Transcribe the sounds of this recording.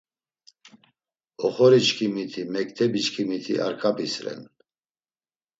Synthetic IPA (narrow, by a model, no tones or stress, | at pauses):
ɔχɔɾit͡ʃkʰimit̪ʰimɛkʼt̪ʰɛbit͡ʃkʰimit̪ʰḭʔa̰ɾkʰapisɾɛ̰n